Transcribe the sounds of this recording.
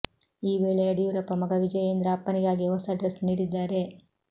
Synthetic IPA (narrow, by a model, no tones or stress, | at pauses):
iːʋe̞ːɭeɐɽijuːɾɐpːɐmɐɡɐʋid͡ʒɐjeːnd̪ɾɐɐpːɐniɡaːɡiɦɔsɐɖɾesniːɽid̪ːaːɾe̞